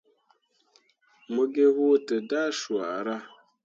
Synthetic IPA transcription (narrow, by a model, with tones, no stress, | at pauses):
mo˦ɡe˦ɣu˦tɨ˨da˦ʃwa˨ɾa˦